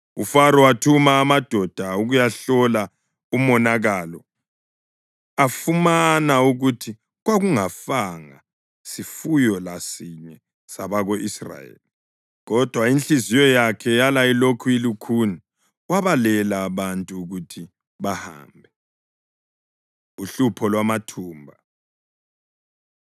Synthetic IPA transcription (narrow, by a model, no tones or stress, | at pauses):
ufaɾɔatʰumaːmad̥ʱɔd̥ʱauɣujaɬɔla | umɔnaɣalɔ | afumanauɣutʰi | ɣwaɣuŋafaŋa̰ | sifujɔlasiɲɛ | saβaɣoʔisra̰jḛːli | ɣɔd̥ʱwaint͡ɬizijɔjakʰɛjalajilokʰuilukʰuni | waβalɛlaːβantʼuːɣutʰi | βaha̰ːmbʱɛ | uɬupʰɔlwamatʰuːmbʱa